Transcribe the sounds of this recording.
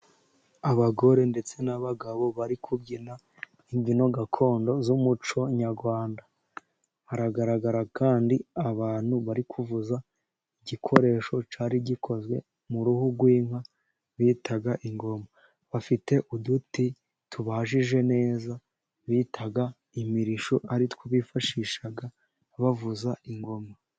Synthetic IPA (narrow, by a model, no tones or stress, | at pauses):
aβaɡo̞ɾe̞nde̞t͡se̞naβaɡaβo̞βaɾikʰubɟina | iɲɟino̞ɡakʰo̞ːndo̞zumut͡ʃo̞ɲaɾɡwaːnda | haɾaɡaɾaɡaɾakaːndiaβaːn̥huβaɾikʰuvuza | iɟikʰo̞ɾe̞ːʃo̞t͡ʃaːɾiɟikʰo̞zɡwe̞̰ | muɾuhuɡwiːmha | βiːtʰaɡaʔiŋɡo̞ma | βafite̞ʔuduti | tuβaʒiʒe̞ne̞ːza | βiːtʰaɡa | imiɾiʃoʔaɾitwoβifaʃiʃaɡa | βavuzaiŋɡo̞ma